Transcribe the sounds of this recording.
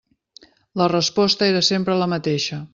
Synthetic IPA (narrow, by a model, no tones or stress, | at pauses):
lərəspɔst̪əeɾəsempɾələmət̪eʃə